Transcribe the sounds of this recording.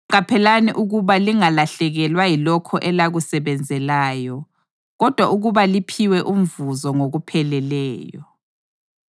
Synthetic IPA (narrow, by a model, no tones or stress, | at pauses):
ǃapʰɛlaniʔuɣuβaliŋalaɬɛɣɛlwajilɔkʰɔʔɛlaɣusɛβɛnd͡zʱɛlaːjɔ | ɣɔd̥ʱwaʔuɣuβalipʰiwɛʔum̩vuzɔŋoɣupʰɛlɛlɛːjɔ̰